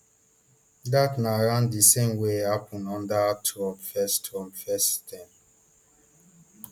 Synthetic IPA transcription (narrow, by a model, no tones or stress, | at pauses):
datnaɾãndisẽmwehapʰɔ̃nɔ̃ndatʰɔmfɛstɔ̃mfɛstʰɛ̃m